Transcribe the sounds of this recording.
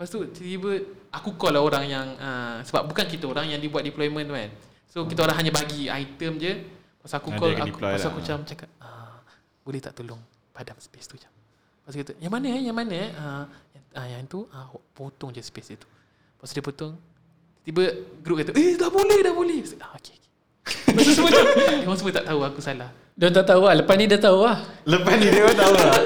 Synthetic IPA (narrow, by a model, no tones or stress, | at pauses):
past̪ut̪ət̪ibəakukɔlaoɾaŋjaŋəsəba̰p̚bukank̬it̪əoɾaŋjaŋdibuat̪̚diplɔjmə̃nt̪kan | sokit̪aoɾaŋɦaɲabaɡia̰it̪əmd͡ʒə | past̪uakukɔa̰pasuakut͡ʃamt͡ʃakap̚ə | bolɛht̪a̰ʔt̪ulʊŋ | padamspest̪ut͡ʃḁm | past̪ukit̪əjaŋmanəjaŋmanəʔəjaajaŋt̪uawaʔpot̪ʊŋd͡ʒəspesit̪u̥ | pasdipot̪ʊŋ | t̪ibəɡɾup̚kat̪aʔedabuləhdabolɛhsaokeoke̥ | assəməawasəmət̪a̰ʔt̪auakusalah | dɔnt̪aʔt̪auahləpasnidat̪auahləpasnidawat̪au